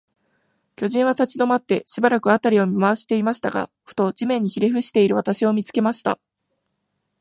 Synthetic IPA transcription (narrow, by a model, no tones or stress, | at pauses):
kʲo̞ʑĩɰ̃β̞at̪at͡ɕid̪o̞mat̪ːe̞ɕibaɾakɯat̪aɾʲio̞mʲimaβaɕi̥t̪e̞imaɕi̥t̪aɡa̰ | ɸɯ̟̥t̪o̞d͡ʑimẽ̞ɲ̟ːiçiɾʲeɸɯ̟ɕi̥t̪e̞iɾɯ̟βat̪aɕio̞mʲit͡sɨ̥ke̞maɕi̥t̪a̰